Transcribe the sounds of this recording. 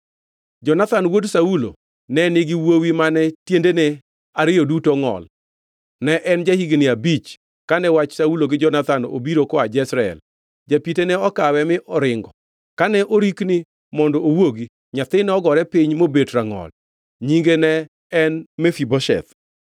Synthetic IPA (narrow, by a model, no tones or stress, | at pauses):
d͡ʒɔnat̪anwodsaulo̰ | nɛnɪɡɪwowimanɛtjendenɛ | aɾɪjodutɔŋɔ̰l | nɛʔɛnd͡ʒahiɡnɪabit͡ʃ | kanɛwat͡ʃsauloɡɪd͡ʒɔnat̪ano̰biɾokɔad͡ʒɛsɾaɛ̰l | d͡ʒapitenɛɔkawɛmɪʔɔɾɪŋɡɔ | kanɛʔoɾiknɪ | mɔndɔowoɡi | ɲat̪ɪnɛɔɡɔɾɛpɪɲmobetɾaŋɔ̰l | ɲiŋɡenɛː | nmɛfibɔʃɛ̰t̪